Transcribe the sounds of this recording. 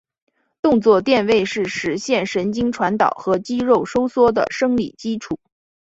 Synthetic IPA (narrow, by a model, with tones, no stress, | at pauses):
t̪ʊ˥˧ŋt͡swɔ˥˧t̪jɛ˥˧nwe˥˧ɪʂɻ̩˥˩ʂɻ̩˧˥ɕjɛ˥˩nʂə˧˥nt͡ɕi˥ŋʈ͡ʂʰwa˧˥nt̪ɑ˨˩ʊxɤ˧˥t͡ɕi˥ɻo˥˩ʊʂo˥ʊswɔ˥d̪ə̰˨˩ʂɤ˥ŋlḭ˨˩t͡ɕi˥ʈ͡ʂʰu˨˩˦